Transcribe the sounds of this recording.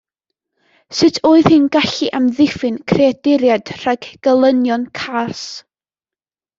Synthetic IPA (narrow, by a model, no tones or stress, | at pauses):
sɨtʰoːɨð̥hɨnɡaɬiʔamðɪfɨnkʰreadɪɾjad̥r̥aɡɡ̥əlˠənjɔnkʰas